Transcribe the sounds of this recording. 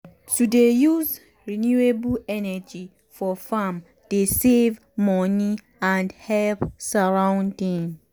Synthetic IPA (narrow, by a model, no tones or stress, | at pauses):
tudejuz | ɹinjuebɛnɛd͡ʒi | fɔfam | d̥esev | mɔni | ãndhɛlpsaɹãʊ̃ndĩŋ